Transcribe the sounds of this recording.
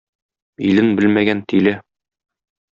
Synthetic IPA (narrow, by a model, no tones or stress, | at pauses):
ilɘnbɘlmæɡænt̪ilɘ